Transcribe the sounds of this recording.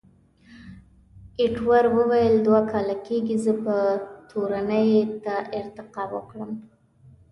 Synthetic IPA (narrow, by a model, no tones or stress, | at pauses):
ɪʈwaɾwəwajəld̪wakɑlakeɡizəpət̪ʰoɾanəjt̪aʔɪɾt̪ɪqɑwə̰kɽəm